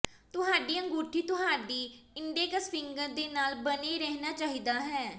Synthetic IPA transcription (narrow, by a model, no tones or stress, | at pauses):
t̪ʊɦaːɖiːə̃ŋɡuːʈʰːiːt̪ʊɦaːɖiːɪɳɖieːkaspɪŋɡəɾd̪eːnaːlbəniːɾɛɦnaːt͡ʃaːɦiːd̪aːɦɛː